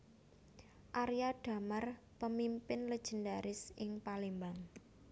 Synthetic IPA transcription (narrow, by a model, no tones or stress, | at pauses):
ʔaɾjaɖ̥a̤mar | pəmimpɪnləd̥ʒ̥ə̤ndaɾɪsɪŋpalimbaŋ